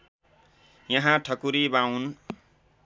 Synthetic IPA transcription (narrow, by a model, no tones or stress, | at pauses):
jʌɦãʈʰʌkuɾibawn